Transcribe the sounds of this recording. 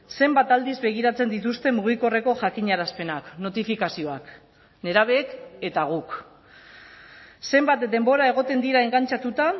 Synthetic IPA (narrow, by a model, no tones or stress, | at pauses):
se̞mbat̪ald̪izbe̞ɣ̞iɾat͡se̞nd̪it̪̬ust̪e̞muɣ̞iko̞re̞ko̞ʝakiɲaɾaspe̞nakno̞t̪ifikasio̞ak | ne̞ɾaβ̞eːke̞t̪aɣ̞uk | se̞mbat̪d̪e̞mbo̞ɾae̞ɣ̞o̞t̪e̞nd̪iɾae̞ŋɡant͡ʃat̪ut̪a